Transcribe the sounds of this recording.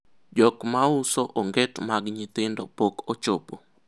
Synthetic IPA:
d͡ʒɔkmaʊsoʔoŋɡɛtmaɡɲɪt̪ɪndɔpokot͡ʃopo

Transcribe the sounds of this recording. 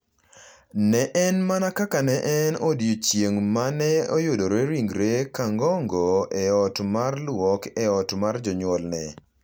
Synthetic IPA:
nɛʔɛnmanakakanɛʔɛnodjot͡ʃjeŋmanɛojodoɾeɾiŋɡɾekaŋɡɔŋɡoɛɔtmarlwɔkɛɔtmard͡ʒɔɲwɔlnɛ

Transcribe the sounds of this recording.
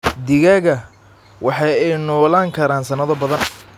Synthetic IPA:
d̪ɪɣaːɣɐ | wɑħɑjɛjnɔːlaːŋkʰɐɾaːnsɐnɐðɔbɐðɐn

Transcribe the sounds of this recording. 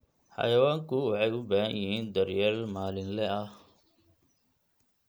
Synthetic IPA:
ħɑ̰jɐwaːŋkʰʊwɑħɑjʊbaːhɐ̰njɪɦiːnd̪ɐrjaːlmaːlɪnlɛʔɐh

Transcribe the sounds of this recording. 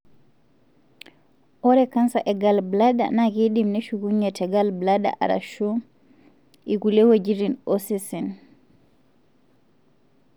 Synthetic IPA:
ʔɔɾɛkansaʔɛɡalblaɗa̰nakiɗimnɛʃukuɲːɛtɛɡalblada̰ʔa̰ɾa̰ʃu | ikulewed͡ʒiɾinosisin

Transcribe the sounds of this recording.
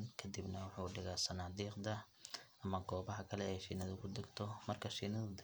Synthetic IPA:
nkʰɐd̪ibnɐwɑħuːɖɪɣaːsɐnaːd̪iːqd̪ɐʔɐmɐɡɔːβɐɦɐkʰɐlɛɛjʃiːnɐðʊkʰʊd̪ɐɡt̪ʰɔmɐrkʰɐʃiːnɐðʊd̪

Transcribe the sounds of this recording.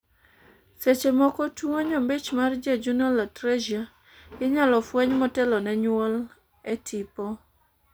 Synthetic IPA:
set͡ʃemɔkɔtwoɲɔmbet͡ʃmard͡ʒed͡ʒunɔlatɾed͡ʒia | ɡɪɲalɔfwɛɲmɔtɛlɔnɛɲwɔl | ɛtʰipɔ

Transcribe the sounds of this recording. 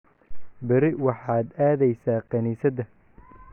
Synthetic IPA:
bɐɾɪwɑħɑːd̪aːðɛjsaːqɐniːsɐd̪ɐ

